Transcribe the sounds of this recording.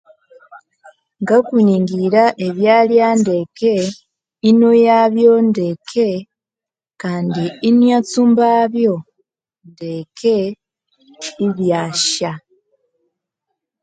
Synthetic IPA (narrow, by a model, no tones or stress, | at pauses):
ŋɡakuɲiːŋɡiɾaʔe̞βjaːljande̞ke | inojaβjo̞ndekʰe̞ | kaːndiːnjat͡sumbaβjo̞ | ndekʰe̞ | iβjaːʃa